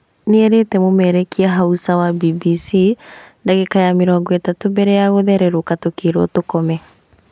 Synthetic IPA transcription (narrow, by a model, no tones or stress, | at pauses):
neɛɾetɛmomɛɾɛkiɛɦausawabibisindaɣekajameɾɔːŋɡɔetatobɛɾɛjaɣoðɛɾɛɾokatokeɾwɔtokɔmɛ